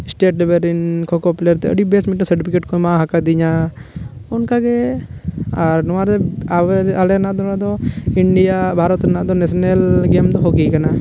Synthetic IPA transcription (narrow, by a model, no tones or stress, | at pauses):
ɪsʈeʈlibeɾinkʰɔkɔpleɾt̪ɛə̰ɖibesmĩʈasəɾʈipʰikeʈkɔmãɦakad̪iɲa | ɔnkaɡɛ | aɾnɔwaɾɛaalɛnad̪ɔnad̪ɔiɳɖijabʱaɾɔt̪ɾnaʔd̪ɔnɛsɔnelɡemd̪ɔɦoɡikana